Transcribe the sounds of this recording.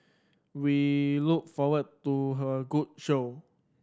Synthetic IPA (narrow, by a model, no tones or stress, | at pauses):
wiluk̚fɔwəd̚tuɦəɡut̚ʃo